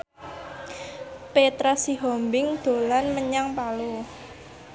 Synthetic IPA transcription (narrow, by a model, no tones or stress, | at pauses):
pet̪ɾasiɦɔmbɪŋd̪̥o̤lanməɲaŋpalo